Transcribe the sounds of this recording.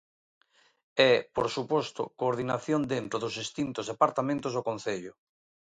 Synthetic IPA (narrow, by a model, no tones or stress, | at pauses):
ɛpoɾsupost̪o̰koːɾðinaθjond̪ent̪ɾoðozist̪int̪ozðepaɾt̪amẽnt̪ozðokõnθeʎʊ